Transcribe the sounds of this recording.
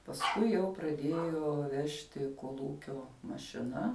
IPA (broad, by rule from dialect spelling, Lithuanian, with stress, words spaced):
pɐsˈkʊɪ jɛʊ prɐˈdʲeːjoː ˈʋʲæːʃʲtʲɪ koːlˠˈuːkʲoː mɐʃʲɪˈnɐ